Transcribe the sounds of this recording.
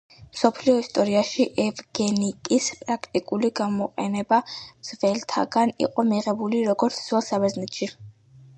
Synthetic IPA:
msɔpʰliɔist̪ʼɔɾiaʃiʔɛvɡ̥ɛnikʼispʼɾakʰt̪ʼikʼuliɡamɔqʼɛnɛbamz̥vɛlt̪ʰa̰ɡanḭqʼɔmiʁɛbuliɾɔɡɔɾt̪sʰz̥wɛlˠsabɛznɛt̪ʰʃi

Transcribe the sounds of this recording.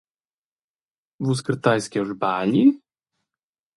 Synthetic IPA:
vuskɾt̪ajskʲɛʐbaːlʲi

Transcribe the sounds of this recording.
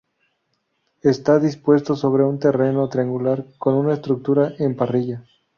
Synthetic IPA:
est̪aðispwe̞st̪o̞so̞β̞ɾe̞unt̪e̞re̞no̞t̪ɾiaŋɡulaɾko̞nunaest̪ɾuk̚t̪uɾaʔempariʝa

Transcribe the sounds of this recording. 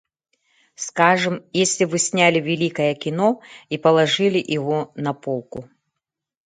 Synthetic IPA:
skaʐɨmjesʲlʲɪvɨsʲnʲalʲɪvʲɪlʲikɐjɐkʲɪnɔipɐlˠɐʐɨlʲɪʔɪvɔnɐpolˠkʊ

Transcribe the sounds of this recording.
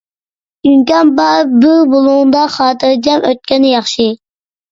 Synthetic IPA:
yŋkʲɑnbɑɾbubolˠʊʁʊnd̪ɑχɑːt̪ʰɨɾd͡ʒɛmøt̪̚kʲɛnɪjɑχʃi

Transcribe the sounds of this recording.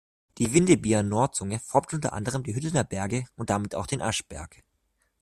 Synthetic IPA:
d̥iːvɪndəbiːɐnɔɐtt͡sʊŋəfɔɐptʔʊntɐ̰ʔa̰ndəʁ̞əmdiːɦʏtl̩nəɐbɛɐɡəʊnt̚d̥amɪta̰ʊxd̥eːnʔa̰ʃb̥ɛ̰ɐk

